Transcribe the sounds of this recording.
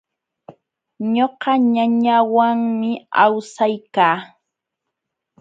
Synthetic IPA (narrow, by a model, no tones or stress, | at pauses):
ɲoqɑɲaɲawaŋmɪawsajkaː